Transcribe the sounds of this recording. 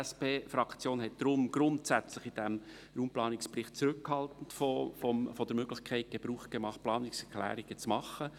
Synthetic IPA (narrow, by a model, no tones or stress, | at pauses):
speːfɾɑkt͡sjoːnɦɛt̚d̥̪ɾʊmɡ̥ɾʊntsæt͡sləχɪd̥ɛm | ɾuːmplɑːnɪksprɪχt̚t͡sɾʏkhɑltn̩tfɔfɔmfɔd̥əɾmøɡlɪçkʰɛɪt̚ɡ̥eb̥ɾuːχt̚ɡ̥emɑχt̚plɑːnɪksɛɾkʰlæ̰ːɾɪɡ̥ət͡smɑχːə